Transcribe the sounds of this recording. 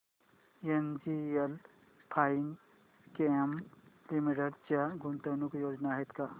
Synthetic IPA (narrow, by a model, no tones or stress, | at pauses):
end͡ʒiel | pʰaːiŋɡ | keemlimiʈeɽt͡ʃaɡunt̪ənukjoːd͡ʒnaɦet̪ka